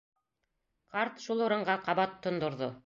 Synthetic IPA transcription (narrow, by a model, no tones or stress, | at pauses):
qɑɾt̪ʃulˠŏɾɤ̆ɴɢɑqɑβɑt̪ʰːŏnd̪ŏɾðo